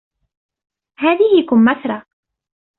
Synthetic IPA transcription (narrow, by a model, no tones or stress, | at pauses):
haːðɪhɪkʊmːaθɾˤɑ